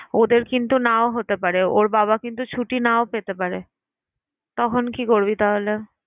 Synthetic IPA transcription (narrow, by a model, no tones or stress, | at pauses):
od̪eɾkint̪unaoɦot̪epaɾeoɾbaβakint̪ut͡ɕʰuʈinaopet̪epaɾe | t̪ɔkʰonkikoɾbit̪aɦole